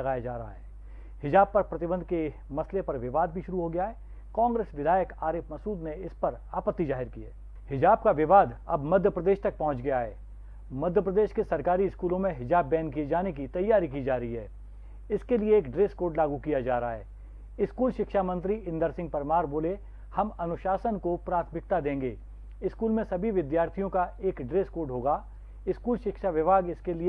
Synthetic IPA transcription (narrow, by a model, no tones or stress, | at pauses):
ɐɡaːjad͡ʒaːɾɐɦa̰ɦɛː | hɪd͡ʒaːb̚pɐɾpɾɐt̪ɪbə̃nd̪ʱke | mɐslepɐɾʋɪʋaːd̪̚bʱiʃʊɾuɦoɡɐjaɦɛː | kãːŋɡɾeːsʋɪd̪ʱaːjəkaːɾɪːfʰmɐsuːd̪neɪspɐɾaːpət̪ːizaːɦɪɾkiḛː | hɪd͡ʒaːb̚kaʋɪʋaːd̪ɐ̰bmɐd̪ʱjəpɾɐd̪eːʃt̪ɐk̚pɐɦʊ̃t͡ʃɡɐjaɦɛ̰ː | mɐd̪ʱjəpɾɐd̪eːʃkesɐɾkaːɾiɪskuːlõmẽɦɪd͡ʒaːbːɛ̃ːnk̬ied͡ʒaːnek̬it̪ɐjːaːɾik̬id͡ʒaːɾɐɦiɦɛː | ɪskelieːkɖɾeːskoːɖlaːɡukijad͡ʒaːɾaa̰ɦɛː | ɪskuːlʃɪkʃaːmə̃nt̪ɾiɪ̃nd̪əɾsɪ̃ŋɡ̚pɐɾmaːɾboːle | hɐmɐnʊʃaːsənkopɾaːt̪ʰmɪk̚t̪ad̪ẽːŋɡeː | ɪskuːlmẽsɐbʱiʋɪd̪jaːɾt̪ʰijõkaeːkɖɾeːskoːɖɦoːɡa | ɪskuːlʃɪkʃaʋɪʋaːɡɪskelie